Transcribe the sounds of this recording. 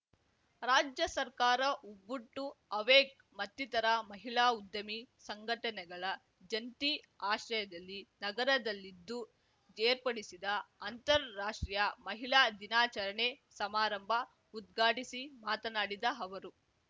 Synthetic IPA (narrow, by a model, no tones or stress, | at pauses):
ɾaːd͡ʒjɐsɐɾkaːɾɐʔubːuʈːuɐʋeːk̚ | mɐt̪ːit̪ɐɾɐmɐɦiɭaːud̪ːɐmisɐŋɡʱɐʈɐnɛɡɐɭɐ | d͡ʒɐnt̪i | aːʃɾɐjɐd̪ɐlːinɐɡɐɾɐd̪ɐlːid̪ːu | d͡ʒeːɾpɐɽisid̪ɐɐnt̪ɐɾːaːʂʈɾijɐmɐɦiɭaːd̪inaːt͡ʃɐɾɐɳesɐmaːɾɐmbʱɐ | ud̪ɡʱaːʈisimaːt̪ɐnaːɽid̪ɐɐʋɐɾu